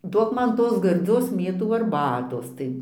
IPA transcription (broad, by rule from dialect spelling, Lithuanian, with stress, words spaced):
ˈduɔk ˈmɐn ˈtoːs ɡɐrʲˈd͡zʲoːs ˈmʲeːtuː ɐrˈbɑːtoːs tɐɪ